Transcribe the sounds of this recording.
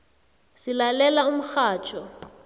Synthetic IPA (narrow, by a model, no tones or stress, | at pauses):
sɪlalɛlaumʊxaːt͡ʃʼɔ